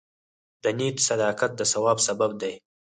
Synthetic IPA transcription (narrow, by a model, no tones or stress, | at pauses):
d̪ənit̪sad̪ɑkat̪̚d̪əsawɑbsabab̚d̪aj